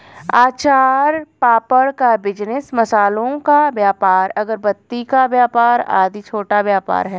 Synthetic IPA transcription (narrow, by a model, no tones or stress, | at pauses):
aːt͡ʃaːɾpaːpəɽkabɪd͡ʒnɪsmɐsaːlõkabjaːpaːɾɐɡəɾbɐt̪ːikabjaːpaːɾa̰ːd̪it͡ʃʰoːʈabjaːpa̰ːɾɦɛː